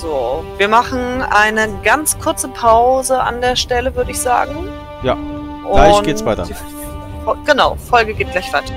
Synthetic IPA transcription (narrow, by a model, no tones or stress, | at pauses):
z̥oːviːɐmaχn̩ʔaɪnəɡant͡skʰʊɐt͡səpʰaʊzəʔa̰ndeːɐʃtɛləvʏɐɾəɪçz̥a̰ːɡŋ̩ | jaː | ʔʊlaɪnɡeːvaɪtɐ̰ | ɔɡ̥ənaʊfɔlɡəɡeːt̚ɡ̥laɪçv̥aɪtʰɐ̥